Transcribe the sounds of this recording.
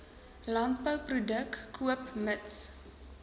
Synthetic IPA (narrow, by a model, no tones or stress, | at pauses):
lant̚pəwprudəkːʰuəpməts